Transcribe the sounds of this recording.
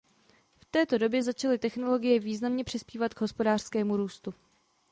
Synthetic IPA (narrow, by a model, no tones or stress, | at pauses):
ft̪ɛːt̪o̞do̞bjɛzat͡ʃalɪt̪ɛxno̞lo̞ɡɪjɛviːznamɲɛpr̥ɪspiːvat̪ɡɦo̞spo̞daːr̥skɛːmuɾuːst̪u